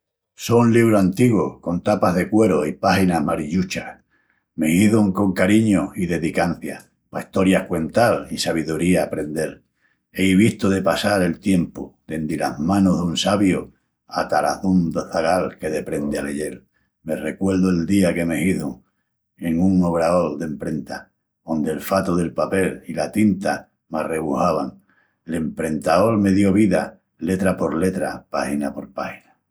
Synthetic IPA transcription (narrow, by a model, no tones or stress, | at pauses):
sonliβ̞ɾoant̪iɣoko̞nt̪apaɦðe̞kwe̞ɾoipahinaɦmaɾiʎut͡ʃah | me̞hiðoŋko̞ŋkaɾiɲoiðe̞ðikan̟θja | paihst̪o̞ɾjahkwe̞nt̪alisaβ̞iðuɾiaːpɾe̞nd̪e̞l | eiβ̞iht̪oðe̞pasaɾe̞lt̪je̞mpod̪e̞nd̪ilazmãnoɦðunsaβjo | at̪aɾa̰θund̪oθaɣalke̞ðe̞pɾe̞nd̪eale̞je̞l | me̞re̞kwe̞lðoe̞ld̪iake̞mehiθuŋ | e̞ŋuŋo̞β̞ɾao̞ld̪e̞mpɾe̞nt̪a | o̞nd̪e̞lfat̪oðe̞lpape̞lilat̪int̪a | mare̞βuhaβaŋ | le̞mpɾe̞nt̪ao̞lme̞ðjo̞βiða̰ | le̞t̪ɾapo̞ɾle̞t̪ɾapahinapo̞ɾpahina